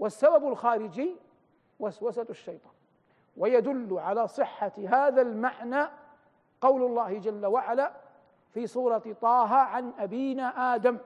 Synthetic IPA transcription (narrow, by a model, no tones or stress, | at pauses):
wasːababalxaːɾɪd͡ʒiː | waswasaaʃːɑjt̪ˤɑ̥ːn | wajad̪ʊlːʕalaːsˤɨħːaɦaːðalmaʕnaː | qɑwlʊlˤːɑːhɪd͡ʒalːawaʕalaː | fiːsˤuːɾˤɑt̪ˤɑːɦaːʕanʔabiːnaːʔaːd̪am